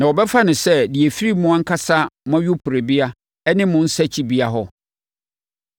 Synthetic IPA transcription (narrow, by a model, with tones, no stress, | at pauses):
nã˨wɔ˨bɛ˦fa˦nʊ̃˨sɛ˦di˨e˨fi˦ɾi˦mʊ̃˦ã˦ŋ̩˦kʰa˦sa˦mã˦ɥʊ˦pʰʊ˨ɾe˨bi˦a˦ | ɛ˦nɪ̃˦mʊ̃˦n̩˦sɛ˦t͡ɕʰi˦bi˦a˨ɦɔ˦